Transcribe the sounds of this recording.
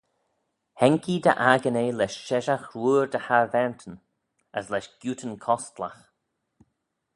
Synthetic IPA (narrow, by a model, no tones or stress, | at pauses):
hɛŋkʰid̪ə̰ʔaɡəneːlɛʃʃɛʒaxɾuːɹd̪əhaɹvɛɹnt̪ʰən | əslɛʃɡ̥juːtʰənkʰɔst̪la̰x